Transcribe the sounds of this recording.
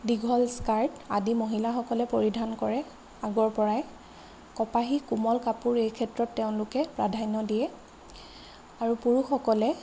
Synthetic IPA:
diɡʱɔlskaɹtadimoɦilaxɔkɔlɛpoɹidʱankɔɹɛ | aɡɔɹpɔɹaɛ | kɔpaɦikumɔlkapuɹejkʰɛtɹɔtːeʊ̃nlʊkɛpɹa̰dʱajnɔdijɛ | aɹupuɹuxɔkɔlɛ

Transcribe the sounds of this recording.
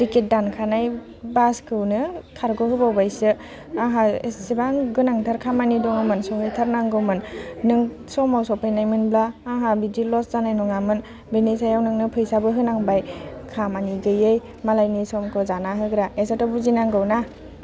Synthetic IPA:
diket̚dankʰanaj | baskʰɯwnɯkʰaɾɡɔɦɯbawbajsɯ | aɦaesibaŋɡɯnaŋtʰaɾkʰamanidɔŋɯmɯnsɔɦɯjtʰaɾnaŋɡɯwmɯnnɯŋ | sɔmawsɔpʰajnajmɯnblaːɦabidilɔszanajnɔŋamɯn | benisajawnɯŋnɯpʰɯjsabɯɦɯnaŋbajkʰamaniɡɯjɯj | malajnisɔmkʰɔzanaɦɯɡɾaesatɔbuzinaŋɡɯwna

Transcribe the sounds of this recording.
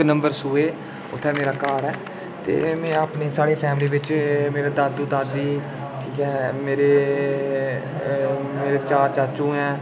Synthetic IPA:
nəmbəɾsuːeː | ʊt̪ʰːɛːmeːɾaːkaːɾɛː | t̪ḛːmɛ̃ːaːpneːsaːɽeːpʰɛːmliːbɪt͡ʃmeːɾaːd̪aːd̪uːd̪aːd̪iː | ʈʰiːkɛːmeːɾeː | meːɾeːt͡ʃaːɾt͡ʃaːt͡ʃũːɛː

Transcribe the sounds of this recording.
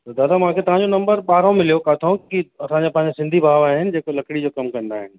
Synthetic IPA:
t̪od̪aːd̪aʋɐɦãkʰet̪ɐʋ̤ãɲd͡ʑonɐ̃mbəɾɓaːɾ̤õmɪljokat̪ʰõkiɐsãɲd͡ʑepɐ̃ɦɪ̃ɲd͡ʑesɪ̃nd̪ʱibʱaːʋaːɦɪnɪ̆d͡ʑeːkolɐkɽid͡ʑokɐmkɐ̃nd̪aːɦɪnɪ̆

